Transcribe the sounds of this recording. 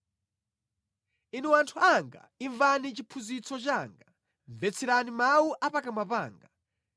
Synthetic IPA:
inɛwantʰuaŋɡa̰iɱvanit͡ʃipʰuzit͡sʰɔt͡ʃaːŋɡa | ɱvɛt͡sʰiɾanimawuʔapakamapa̰ːŋɡa

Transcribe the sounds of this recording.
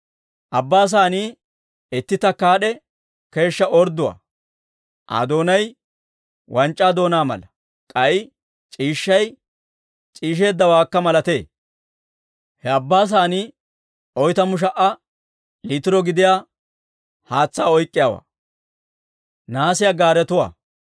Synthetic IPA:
ʔɐbːaːs̬aːniː | ɛt̪ːɪt̪ɐkaːɗɛ | ke̞ːʃːɐɔɾd̪ʊwa̰ː | ʔɐ̰d̪o̞ːnɐj | wʔɐnt͡ʃʼːaːd̪o̞ːnaːmɐ̰lɐ | kʼɐjɪ | t͡ʃʼiːʃːɐj | t͡ʃʼiːʃ̬e̞ːd̪ːɐwaːkːɐmɐlɐt̪e̞ː | hɛɐbːaːs̬aːniː | ɔjt̪ɐmʊʃ̬ɐʔɐ | lit̪ɪɾɔɡɪd̪ɪjaː | haːt͡sːaːɔjkʼːɪjaːwa̰ː | naːsɪjaɡaːɾɛt̪ʊwa̰ː

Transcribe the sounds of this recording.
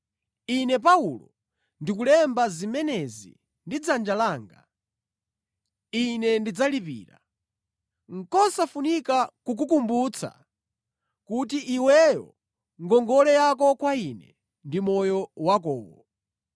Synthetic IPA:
inɛp̬aulɔ | ndikulɛmbazimɛnɛzḭ | ndid͡zand͡ʒalaːŋɡa | inɛndid͡zalipḭːɾa̰ | ŋ̩kɔsafunikakuk̬ukumbut͡sʰa̰ | kutiʔiwɛjɔ̰ | ŋɡɔŋɡɔlɛjak̬ɔkwainɛ | ndimɔjɔwak̬ɔːwɔ

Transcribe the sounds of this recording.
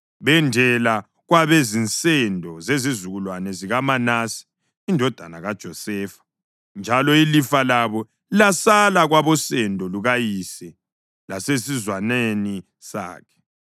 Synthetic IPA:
βɛndʱɛla | ɣwaβezint͡sʼɛndʱɔzezizuɣulwanɛziɣamanasi̥ː | ndʱɔd̥ʱanaɣad̥ʒ̥ʱɔsɛːfḁ | nd͡ʒʱalɔilifalaβɔ | ilasalaɣwaβɔsɛndʱɔluɣajisɛ | lasesizwaneni | sa̰ːkʰɛ̥

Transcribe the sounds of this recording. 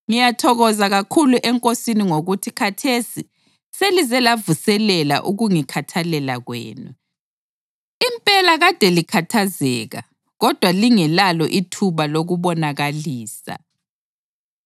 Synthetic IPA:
ŋijatʰɔɣɔzaɣakʰuluʔɛŋkʼosiniŋoɣutʰikʰatʰesi | selizɛlavusɛlɛla̰ʔuɣuŋikʰatʰalɛlaɣwḛːnu | impʼɛlaɣad̥ʱɛlikʰatʰazɛːɣa̰ | ɣɔd̥ʱwaliŋɛlalɔʔitʰuβaloɣuβɔnaɣaliːsa̰

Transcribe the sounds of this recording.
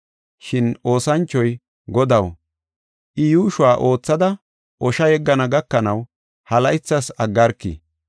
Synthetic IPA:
ʃɪno̞ːsɐnt͡ʃːɔj | ɡɔd̪ɐw | ʔɪjuːʃʊwaːʔo̞ːt͡sːɐd̪ɐ | ʔɔʃɐjɛɡːɐnɐɡɐkːɐnɐw | hɐlɐɪt͡sːɐsɐɡːɐɾkːḭ

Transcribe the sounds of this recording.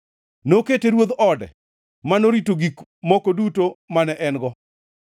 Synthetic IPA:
noketeɾwod̪ɔdɛ̰ | manoɾitoɡikmɔkodutomanɛʔɛnɡɔ

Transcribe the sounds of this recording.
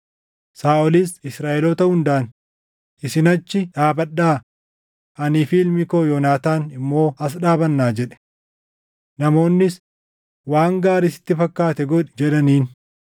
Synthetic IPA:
saːʔɔliːsɪsɾaːʔɛloːt̪ɐhʊnd̪aʔɐn | ʔɪsɪnɐt͡ʃːɪᶑaːbɐɗːaː | ʔɐniːfiːlmɪkoːjɔnaːt̪aːnɪmːo̞ːɐs̬ᶑaːbɐnːaːd͡ʒɛᶑɛ̥ | nɐmo̞ːnːɪs | waːŋɡaːɾɪsɪ̥t̪ːɪfɐkːaːt̪ɛɡɔᶑɪd͡ʒɛᶑɐniːn

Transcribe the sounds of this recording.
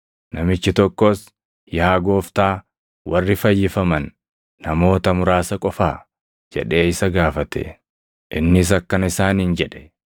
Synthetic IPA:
nɐmɪt͡ʃːɪt̪ɔkːɔs | jaːɡo̞ːft̪aː | wʔɐrːɪfɐjːɪfɐmɐnː | ɐmo̞ːt̪ɐmʊɾaːsɐkʼɔfa̰ː | d͡ʒɛ̰ᶑe̞ːɪsɐɡaːfɐt̪ɛ̰ | ʔɪnːɪs̬ɐkːɐnɪsaːnɪnd͡ʒɛᶑɛ̥

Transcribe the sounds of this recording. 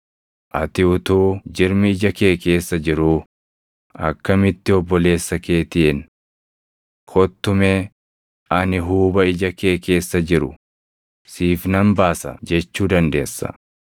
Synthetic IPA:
ʔɐt̪ɪʊt̪uːd͡ʒɪɾmɪɪd͡ʒɐke̞ːke̞ːsːɐd͡ʒɪɾu | ɐ̰kːɐmɪt̪ːɪɔbːɔle̞ːsːɐke̞ːt̪ɪʔɪn | kʰɔt̪ːʊmeː | ɐnɪɦuːbɐɪd͡ʒɐke̞ːke̞ːsːɐd͡ʒɪɾʊ | siːfnɐmbaːsɐ̰d͡ʒɛt͡ʃːuːd̪ɐnd̪eːsːɐ̰

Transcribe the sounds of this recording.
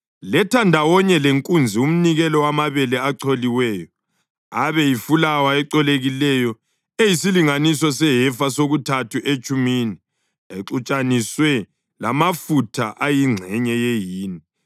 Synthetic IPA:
lɛtʰandʱawɔɲɛleŋkʼund͡zʱium̩niɣɛlɔwamaβɛlɛaǀʰoliwɛːjɔ | aβɛjifulawaɛǀɔleɣilɛjɔ | ejisiliŋanisɔsɛɦɛfasoɣutʰatʰuʔet͡ʃʼumini | eǁut͡ʃʼaniswɛ | la̰mafutʰa̰ʔajiŋ͡ǀʱɛɲɛjejiːni

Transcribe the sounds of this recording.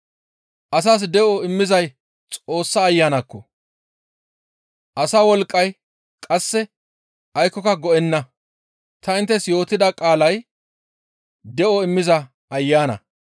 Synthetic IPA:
ʔɐs̬aːs̬d̪ɛʔɔɪmːɪzɐj | t͡sʼo̞ːsːɐːjːaːnɐkːɔ | ʔɐsawɔlkʼːɐj | kʼɐsːɛ | ɐjkːɔkɐɡɔɛnːɐ | t̪ʰɐɪnt̪ːɛsjo̞ːt̪ːɪd̪ɐkʼaːlɐj | d̪ɛʔɔɪmːɪzɐ | ɐjːaːnɐ̰

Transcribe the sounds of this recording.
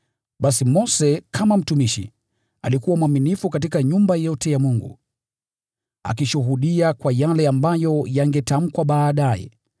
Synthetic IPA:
ɓasimɔsɛkʰamam̩tumiʃḭ | a̰likuwamwaminifukat̬ikaɲumbajɔtɛjamuŋɡṵ | a̰k̬iʃuɦuɗiakwajalɛambajɔjaŋɡɛtam̩kwaɓaːɗajɛ̰

